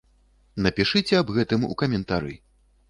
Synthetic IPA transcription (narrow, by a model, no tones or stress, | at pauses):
nɐpʲiʂɨt͡sʲɛɐbɣɛt̪ɨmṵkɐmʲɛnt̪aɾɨ̰